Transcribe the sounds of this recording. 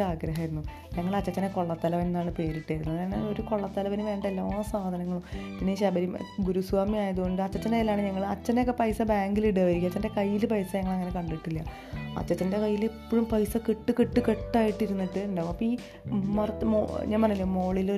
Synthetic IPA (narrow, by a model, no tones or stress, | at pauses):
aːɡɾɐɦɐiɾunːu | ɲɐŋːɐɭɐt͡ɕːɐt͡ɕːɐndeko̞ɭːɐt̪ːɐlɐʋennːaːɳɨpe̞ːɾiʈːajiɾunːuɐneoɾuko̞ɭːɐt̪ːɐlɐʋinuʋe̞ːɳɖɐelːaoːɐsaːd̪ʱɐnɐŋːɐɭumpinːeɕɐbɐɾimɡuɾusʋaːmiaːjɐðuɣo̞ɳɖɨɐt͡ɕːɐt͡ɕːɐnelːaːɳɨɲɐŋːɐɭɐt͡ɕːɐneokːepɐjsɐbaːŋɡiliɽaːʋɐɾikʲːɐt͡ɕːɐnde̞kɐjːilpɐjsɐɲɐŋːɐɭɐŋːɐne̞kɐɳɖiʈːilːɐ | ɐ̰t͡ɕːɐt͡ɕːɐnde̞kɐjːilepːoɻumpɐjsɐkiʈːɨkiʈːɨkeʈːaːjiʈːiɾunːiʈːɨɳɖamɐpːoiː | mɐrmo̰ɲaːnpɐrɐilːamo̞ːɭilo